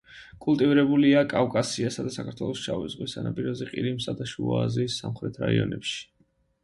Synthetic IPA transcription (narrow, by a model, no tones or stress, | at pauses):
kʼulˠt̪ʼivɾɛbuliakʼavkʼasiasad̪asakʰaɾt̪ʰwɛlˠɔsʃavizʁwisanapʼiɾɔzɛqʼiɾimsad̪aʃuɔ̰aziːsːamχɾɛt̪ʰɾaiɔnɛpʃi̥